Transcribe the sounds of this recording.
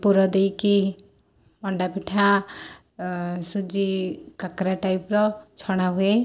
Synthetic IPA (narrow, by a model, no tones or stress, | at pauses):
puɾɔd̪ejki | mɔɳɖapiʈʰa | sud͡ʒikakɾaʈajpɾɔt͡ʃʰɔɽ̃aɦue